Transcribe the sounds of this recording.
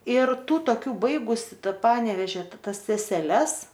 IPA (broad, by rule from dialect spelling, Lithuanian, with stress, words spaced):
ɪr ˈtuː toːˈkʲuː ˈbɐɪɡʊsʲɪ ˈtɑː ˈpɑːnʲɛʋʲɛʒʲɛ ˈtɐs sʲɛsʲɛˈlʲɛs